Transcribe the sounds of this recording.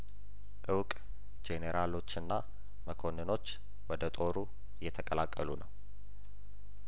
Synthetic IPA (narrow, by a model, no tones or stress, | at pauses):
ʔɨwkʼ | d͡ʒeneɾʔalo̞t͡ʃːɨnːa | məkʰo̞nːɨno̞t͡ʃː | wɔd̪ət̪ʼo̞ɾu | jːɛt̪ʰəkʼəlakʼːəlunəw